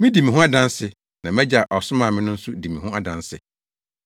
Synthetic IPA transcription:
mɪ̃˦di˨mɪ̃˨ɦʊ̃˦a˦dã˦nsɪ˨ | nã˨mæ˦d͡ʑa˨ʔɔ˨sʊ˦mãː˨mɪ̃˦nʊ̃˦n̩˦sʊ˦di˨mɪ̃˨hʊ̃˦a˨dã˦nsɪ̰˨

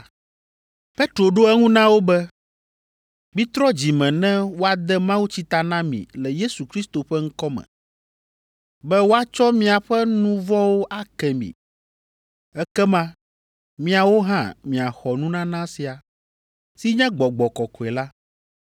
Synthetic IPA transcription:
pe˦t̪ɾo˨ɖo˦ɛ˦ŋũ˦nã˦wo˦bɛ˦ | mĩ˦t̪ɾɔ˦d͡ʑi˨mɛ̃˨nɛ̃˦wo˦a˦d̪ɛ˦mã˦wu˦t͡ɕi˦t̪a˨nã˦mḭ̃˨lɛ˨je˦su˨kɾi˦st̪o˨ɸɛ˦ŋ̩˦kɔ˦mɛ̰̃˨ | bɛ˦wo˦a˦t͡ʃɔ˦mĩ˦a˨ɸɛ˦nũ˦vɔ˦wo˦ʔa˦kɛ˨mḭ̃˨ | ɛ˦kɛ˦mã˦ | mĩ˦a˨wo˦ɦã̰˦mĩ˨a˨xɔ˨nũ˦nã˦nã˦si˨a˨ | si˦ɲɛ̃˦ɡ͡bɔ˨ɡ͡bɔ˨kɔ˨kɔ˨ɛ˨la˦

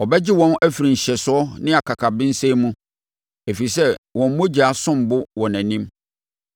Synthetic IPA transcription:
ɔ˨bɛ˦d͡ʑɪ˦wɔ̃˦næ˦fi˨ɾĩ˨ɲ̩˨ɕɛ˨sʊ˨˦ɔ˦nɪ̃˦a˨kʰa˨kʰa˨bɪ̃˦n̩˦se˦mũ˦ | e˨fi˨sɛ˦wɔ̃˨m̩˦mʊ̃˦d͡ʑi˨a˨sʊ̃˦m˨bʊ˦wɔ̃˨næ̃˨nĩ˦m

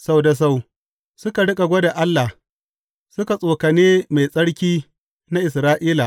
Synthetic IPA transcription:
sa˦wda˨s̬a˦˨w | sʊ˦ka˨ɽɪ˦kʼa˨ɡʷɐ˦da˨ʔa˦lːa˨ | sʊ˦ka˨sʼoː˨ka˨neː˦ma˨jsʼɐ˦ɽkʲiː˦ | na˦ʔɪ˨sɾaː˦ʔiː˦la˨

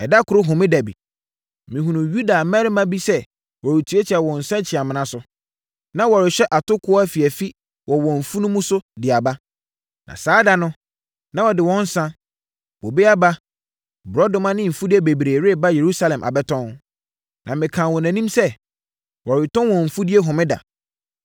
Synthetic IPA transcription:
ɛ˨da˦kʰʊ˨ɾʊ˦ɦʊ̃˨mɪ̃˦dæ˨bḭ˨ | mɪ̃˨ɦũ˨nũ˨ju˦da˨mɛ˦ɾɪ˦mã˦bi˦sɛ˦ | wɔ˨ɾɪ˨tʰu˨˦e˦t͡ɕʰi˨a˨wɔ̃˨n̩˨sã˦t͡ɕʰɪ˨a˨mɪ̃˨nã˦sʊ˨˦ | nã˦wɔ˨ɾɪ˨ɕᶣɛ˦ʔa˨tʊ˦kʰʊ˦ɔ˦a˦fi˨æ˨fi˦ | wɔ˨wɔ̃˨ɱ̩˨fu˦nũ˦mũ˦sʊ˦dɪ˨a˨ba˦ | nã̰˨saː˨˦da˦nʊ̃˦ | nã˦wɔ˨dɪ˨wɔ̃˦n̩˦sã˦ | wɔ˨be˦a˦ba˦ | bɾɔ˦dʊ̃˦mã˦nɪ̃˦m̩˨fu˦dɪ˦e˦be˨bɾeː˨ɾe˦˨ba˦je˨ɾu˦sa˦lɛ̃˨mʔa̰˨bɛ˦tʰɔ̃˦n | nʔã̰˨mɪ̃˨kʰã˨wɔ̃˨næ̃˨nĩ˦msɛ˦ | wɔ˨ɾɪ˨tʰɔ̃˦wɔ̃˨ɱ̩˨fu˦dɪ˦e˦ɦɔ̃˨mɪ̃˦da̰˨

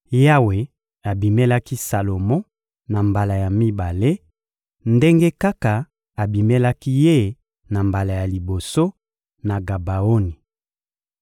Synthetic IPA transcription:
ja˦we˨ | a˨bi˨me˦la˦ki˦sa˨lo˨mɔ˦ | na˨mba˨la˨ja˨mi˦ba˨le˦ | nde˦ŋɡe˦ka˦ka˨ | a˨bi˨me˦la˦ki˦je˦˨ | na˨mba˨la˨ja˨li˨bo˨so˦ | na˨ɡa˨ba˨o˦ni˨

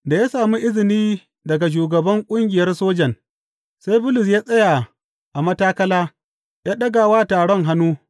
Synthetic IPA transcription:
da˨jaː˦saː˨mi˦ʔɪ˦zɪ˨niː˦ | dɐ˨ɡa˨ʃ̬uː˨ɡɐ˨bɐ˦ŋkʷʼʊ˦ŋɡʲɪ˨jɐ˦rsoː˦d͡ʒɐ˨n | sa˦jbʊ˦lʊ˨s̬jaː˦sʼɐ˦ja˨ | ʔa˨mɐ˦taː˦kɐ˦laː˦ | ja˦ɗɐ˦ɡa˨waː˦taː˨ɽɔ˦ŋɦa˦nuː˦

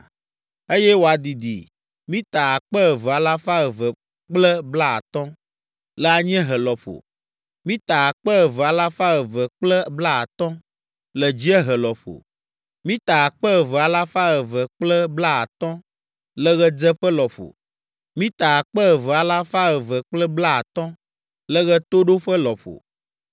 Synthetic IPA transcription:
e˦jɛ˦wo˨a˨d̪i˨d̪ḭ˨ | mĩ˦t̪a˨a˨k͡pə˦ə˨vɛ˨a˨la˦fa˦ɣə˨və˨ | k͡plɛ˦bla˦a̰˨t̪ɔ̃˦ | lɛ˦a˨ɲɛ̃˦ɦə˨lɔ˨ɸo̰˨ | mĩ˦t̪a˨a˨k͡pɛ˦ɣvə˨a˨la˦fa˦ɣə˨və˨k͡plɛ˦bla˦a̰˨t̪ɔ̃˦ | lɛ˨d͡ʑi˦ɛ˦ɦɛ˨lɔ˨ɸo̰˨ | mĩ˦t̪a˨a˨k͡pɛ˦ɣɛ˨vɛ˨a˨la˦fa˦ɣɛ˨və˨k͡plɛ˦bla˦a̰˨t̪ɔ̃˦ | lɛ˦ɣɛ˦d͡zɛ˦ɸə˦lɔ˨ɸo̰˨ | mĩ˦t̪a˨a˨k͡pɛ˦ɣɛ˨vɛ˨a˨la˦fa˦ɣɛ˨və˨k͡plɛ˦bla˦a˨t̪ɔ̃˦ | lə˦ɣɛ˦t̪o˦ɖo˦ɸə˦lɔ˨ɸo̰˨

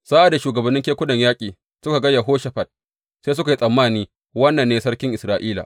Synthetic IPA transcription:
saː˦ʔa˨da˨ʃuː˨ɡɐ˨bɐ˦nːɪ˦ŋkʲeː˦kʷʊ˦nɐ˨ɲjaː˦kʲʼiː˨ | sʊ˦ka˨ɡɐ˦jːa˨ɦoː˦ʃa˨ɸɐ˨d̥̚ | seː˦s̬ʊ˦ka˨i˦sʼɐ˨mːaː˦˨niː˦ | wɐ˦nːɐ˨nːeː˦sɐ˦ɽkʲɪ˦ŋʔɪ˨sɾaː˦ʔiː˦la̰˨ʔ

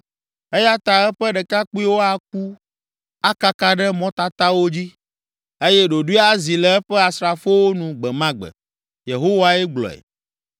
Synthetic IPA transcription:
e˦ja˦t̪a˨ɛ˦ɸɛ˦ɖɛ˨ka˦k͡pu˦i˦wo˦a˨k̚u˦ | a˦ka˦ka˦ɖɛ˦mɔ̃˦t̪a˦t̪a˦wo˦d͡ʑi˦ | e˦jɛ˦ɖo˨ɖu˦a˦zi˨lɛ˦ɛ˦ɸɛ˦a˨sɾa˨fo˦wo˦nũ˨ɡ͡bɛ˨mã˦ɡ͡bɛ̰˨ | je˨ɦo˦wa˦ɛ˦ɡ͡blɔ̰˨ɛ̰˨

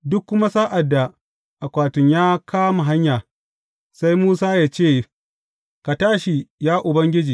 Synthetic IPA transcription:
dʊ˦kːʊ˦ma˦saː˦ʔa˨dːa˨ | ʔa˨kʷaː˨tʊ˨ɲjaː˦kʰaː˦ma˨ɦa˦ɲjaː˨ | sa˦jmuː˦saː˦jaː˦t͡ʃeː˦˨ | ka˨taː˦ʃi˨jaː˦ʔʊ˨bɐ˦ŋɡʲɪ˦d͡ʒiː˨

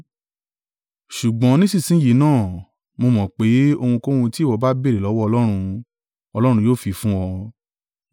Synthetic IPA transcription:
ʃu˨ɡ͡bɔ̃˨˦nĩ˦sĩ˦˨sĩ˨˦ji˨˦nãː˦˨ | mo˧mɔ̃˨k͡pe˨˦o˧hũ˧ko˦hũ˧ti˦˨wɔ˨˧˦ba˦be˦˨ɾe˨lɔ˨˦wɔ˦ɔ˧lɔ˦ɾ̃ũ˧ | ɔ˧lɔ˦ɾ̃ũ˧joː˦˨fi˧fũ˦wɔ˧

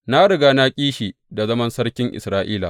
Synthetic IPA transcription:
na˦ɽɪ˨ɡa˦na˦kʲʼiː˦ʃiː˨ | da˨zɐ˦mɐ˦nsɐ˦ɽkʲɪ˦ŋʔɪ̰˨sɾaː˦ʔiː˦la̰˨

